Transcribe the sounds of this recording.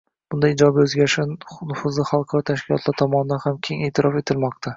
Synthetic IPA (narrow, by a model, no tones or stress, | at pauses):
b̥ʊnd̪ajɪd͡ʒɒbaɵzɡʲaʃɪnʊfʊzɪχalˠqʰɑɾɒt̪ʰaʃkʲʰɪlɒt̪laɾt̪ʰɒmɒnɪd̪anhamkʲʰeŋe̞ːt̪ʰɪɾɒfe̞t̪ʰɪlmɒqt̪ʰa